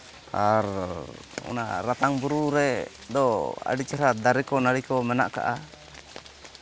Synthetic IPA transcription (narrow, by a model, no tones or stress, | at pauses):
aɾ | ṵna̰ɾat̪aŋbuɾuɾɛ | d̪ɔa̰ɖit͡ʃaɾad̪aɾɛkɔnaɾikɔmɛna̰ʔka̰ʔa